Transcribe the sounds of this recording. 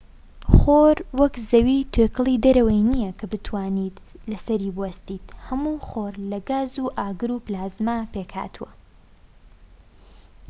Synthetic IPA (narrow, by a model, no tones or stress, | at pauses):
χoːɾwɐkzɐwiːt̪ʰøkɨlˠid̪ɐɾɐwɐjnijɐkʰɐbɨt̪ʰwaːniːt̪lɐsɐɾiːbuwɐst̪iːt̪hɐmuːχoːɾlɐɡaːzuːʔaːɡɨɾuːplaːzmapekha̰ːt̪ʰuwɐ̰